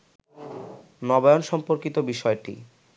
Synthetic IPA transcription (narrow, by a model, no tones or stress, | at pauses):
nɔbajonʃɔmpoɾkit̪obiʃɔeʈḭ